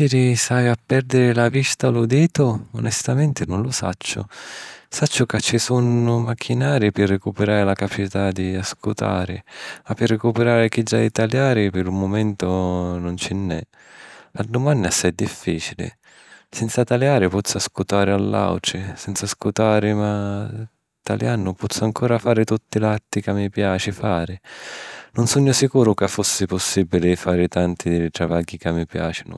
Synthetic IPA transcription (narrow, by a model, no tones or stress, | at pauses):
siɾisajapːɛɾd̪ɪɾɪlavist̪alʊd̪iːt̪ʊʊnɛst̪amɛnt̪ɪnʊnlʊsa̰t͡ʃːʊ̰sat͡ʃːʊkat͡ʃːɪsunʊmakʰːinaːɾɪpɪrːɪkupɪɾaːɾɪlakapat͡ʃit̪ad̪iaskut̪a̰ːɾɪ̰apːɪrːɪkupɪɾaːɾɪk̟id͡ʒːa̰d̪it̪aljaːɾɪpɪɾumːʊmɛnt̪ʊnʊnt͡ʃɛnːɛ̰ | ad̪ʊmanːɪasːad̪ːifːiːt͡ʃilɪ̰ | sɛnt̪sat̪aljaːɾɪpɔt̪sːaskut̪aːɾɪalːa̰wʈɾɪsɛnt̪saskut̪aːɾɪma | t̪a̰ljanːʊpɔt̪sːʊaŋkʰɔːɾafaːɾɪt̪ut̪ːɪlat̪ːikamːipjaːt͡ʃɪfaːɾɪ | nʊnsuɲːʊsikuːɾʊkafːusːɪpʊsːibilɪfaːɾɪt̪ant̪ɪd̪ɪlɪt̪ɾavaɡːikamːipja̰ːt͡ʃɪnʊ̰